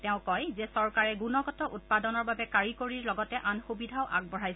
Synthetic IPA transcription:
tɛʊ̃kɔjzɛsɔɹkaɹɛɡunɔɡɔtɔʔut̚padɔnɔɹbabɛkaɹikoɹiɹlɔɡɔtɛʔanxubidʱaʊʔa̰ɡ̚bɔɹajsɛ

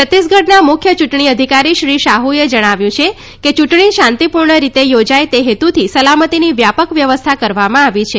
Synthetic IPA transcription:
ət̪ːisɡəɽnamʊkʰjət͡ʃuʈɳ̃iəd̪ʱikaɾiʃɾiʃaɦued͡ʒəɽ̃aʋjũt͡ʃʰe | ket͡ʃuʈɳiʃant̪ipuɾɳəɾit̪ejod͡ʒajt̪eɦet̪ut̪ʰisəlamət̪iniʋjapəkʋjəʋəst̪ʰakəɾʋamãaʋit͡ʃʰe

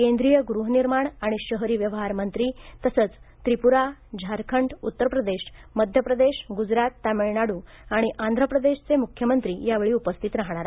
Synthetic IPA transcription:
kend̪ɾijəɡɾuɦniɾmaɳaɽ̃iɕəɦɾiːʋjəʋɦaɾmənt̪ɾiːt̪əsəːt͡st̪ɾipuɾad͡ʑʱaɾkʰəɳɖut̪ːəɾpɾəd̪eɕməd̪ʱjəpɾəd̪eɕɡud͡zɾat̪ːamiɭɳaɽuː | aɽ̃iʔand̪ʱɾəpɾəd̪eɕt͡semukʰjəmənt̪ɾiːjaʋeɭiːupəst̪ʰit̪ɾaɦɳ̃aɾ

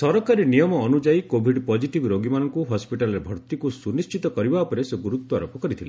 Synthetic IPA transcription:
sɔɾɔkaɾinijɔmɔːnud͡ʒaikobʱiɖpɔd͡ʒiʈibɾoɡimanɔŋkuɦɔspiʈalɔɾebʱɔɾt̪ikusunist͡ʃit̪ɔkɔɾibaɔpɔɾeseɡuɾut̪wɔaɾopɔkɔɾit̪ʰile

